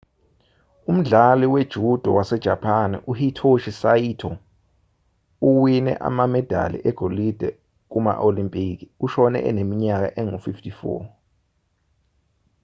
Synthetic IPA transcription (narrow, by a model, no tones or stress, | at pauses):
um̩ɮaliwed̥ʒ̥ʱud̥ʱɔwasɛd̥ʒ̥ʱapʰanʔuhitʰoʃisaitʰɔ | uwinɛ̰ʔa̰mamɛd̥ʱa̰lḭʔɛɡ̥ʱolid̥ʱɛ | k̬uma̰ʔolimpʼik̬iuʃɔnɛ̰ʔɛ̰nemiɲak̬a̰ʔɛŋufiftʰʼifɔ̰